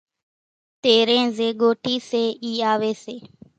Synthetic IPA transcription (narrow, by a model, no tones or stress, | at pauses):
t̪eːɾẽːzeːɠoːʈiːseːiːaːʋeːseː